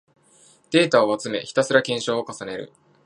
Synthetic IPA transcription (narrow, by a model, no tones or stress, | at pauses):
d̪̥e̞ːt̪aoat͡sɨme̞̰çi̥t̪asɨɾakẽ̞ɰ̃ɕo̞ːokasane̞ɾɯ̟̰